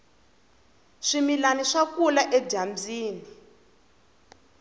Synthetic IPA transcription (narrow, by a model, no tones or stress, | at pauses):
ʂimilaniʂakulaʔɛd͡ʒamd͡ziːni